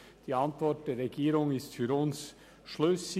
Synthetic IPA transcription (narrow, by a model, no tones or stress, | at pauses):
d̥iːɑntv̥ɔt̚d̥eːɾʁeɡiːɾʊŋɪstfyːɾʊns | ʃløsɪ